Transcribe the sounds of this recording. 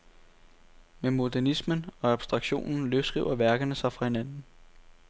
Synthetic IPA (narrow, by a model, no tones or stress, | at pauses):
memo̝dæɐnismənɒ̽ɑb̥sd̥ʁɑ̈ɡ̥ɕo̝̰ːnn̩løʊsɡ̥ʁḭʊ̰ɐʋæɐɡ̥ɐnəsɑ̈ɪfʁɑ̈he̝nænn̩